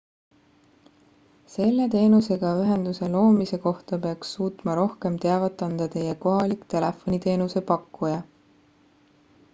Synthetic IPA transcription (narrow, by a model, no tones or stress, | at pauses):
se̞lːe̞t̪e̞ːnuse̞ɡ̥ɑyɦe̞nd̪̥use̞lo̞ːmise̞ko̞ht̪ɑpe̞ɑksːuːt̪mɑɾo̞hke̞mt̪eɑvɑt̪ːˑɑnd̪̥ɑt̪e̞jeko̞ɦɑlikt̪e̞le̞fːo̞nit̪e̞ːnuse̞pɑkːujɑ